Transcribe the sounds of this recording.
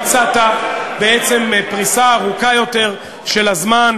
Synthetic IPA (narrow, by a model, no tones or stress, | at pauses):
t͡sat̪abe̞et͡se̞mpʁisaːʁukajo̞te̞ʁ | ʃe̞lazman